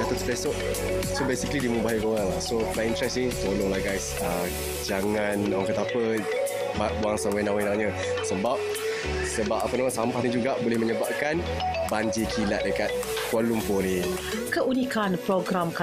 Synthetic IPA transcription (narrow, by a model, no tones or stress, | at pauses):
dat̪usu̥pesoʔ | sobesikəlidimũbaɦikəoɣaŋlahsomaĩntɾɛsnit̪olʊŋlaɡajs | a | d͡ʒaŋanɔŋkət̪apə | babuaŋsawanawanawɲə | səbap̚ | səbap̚apənawansampahnid͡ʒuɡaʔbolɪhməɲəbap̚kan | baɲd͡ʒikʰila̰ʔ̪̚dəkat̪̚ | kualumpoɾi | kəʔunikanpɾoɡɾamka